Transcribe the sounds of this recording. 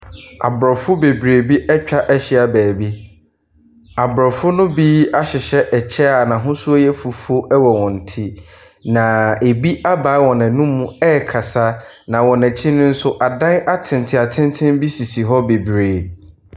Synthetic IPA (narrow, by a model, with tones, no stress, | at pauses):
a̰˨bɾɔ˨fʊ˦be˨bɾe˨bi˦ʔɛ˦t͡ɕᶣa˦ʔɛ˦ɕɪ˦a˨bæː˨bi˦ | a˨bɾɔ˨fʊ˦nʊ̃˦biː˦a˦ɕɪ˨ɕɛ˦ʔɛ˨t͡ɕʰɛ˦a˨nã˨ɦʊ̃˦sʊ˦ɔ˦jɛ˦fu˨fo˦ʔɛ˦wɔ˨wɔ̃˨n̩˨tʰi˦ | nã˨e˨bi˦ʔa˦ba˨˦wɔ̃˨nɛ̃˨nũ˦mːũ˦ɛ˦˨kʰa˨sa˦ | nã˨wɔ̃˨nɛ̃˨t͡ɕʰi˦nʊ̃˦n̩˦sʊ˦ʔa˨dã˦na˦tʰɪ̃˨ntʰɪ˨a˨tʰɪ̃˦ntʰɪ̃˦nbi˦si˨si˨ɦɔ˦be˨bɾeː˨